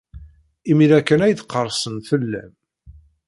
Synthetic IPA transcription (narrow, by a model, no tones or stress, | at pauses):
imilækːənæjθqːəɾˤsˤənθəlːæ̰m